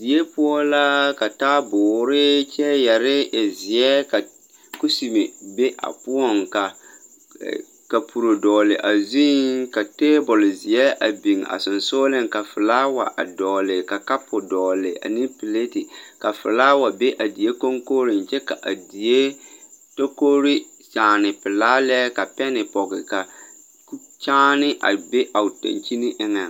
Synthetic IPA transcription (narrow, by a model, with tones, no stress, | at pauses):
di˨e˦pʊ˦ɔ˦la˦ka˨taː˦bʊː˨ɾɪ˦t͡ʃɛ˦ja˨ɾɪ˦ɪ˨zɪ˨ɛ˦ka˨ | ku˦si˨me˨be˦ʔa̰˨pʊ˦ɔ˦˨ŋka˨ | ka˨pʰu˨ɾo˨dɔː˨lɪ˨ʔa˨zi˦ŋka˨teː˦bʊ˨lzɪ˨ɛ˦ʔa˨bi˨ŋa̰˨sʊ˨nso˦lɪ˦ŋka˨fɪ˨la˦wa˨ʔa̰˨dɔː˨lɪ˨ka˨ka˦pʰʊ˨dɔː˨lɪ˨ʔa̰˨ni˦pɪ˨le˦tɪ˨ka˨fɪ̰˨laː˦wa˨be˦ʔa˨di˨e˦ko˦ŋkoː˦ɾɪ˨nt͡ʃɛ˦ka˨ʔa˨di˨e˦to˦koː˦ɾi˦ | t͡ʃaː˨nɪ˨pɪ˨laː˦lɛ˦ka˨pɛ˦nɪ˨pɔ˨ɡɪ˨ka˨˦ | t͡ʃaː˦nɪ˦ʔa̰˨be˦ʔa˨tã̰˨nt͡ʃi˦ni˦ʔɪ˦ŋɛ˨ŋ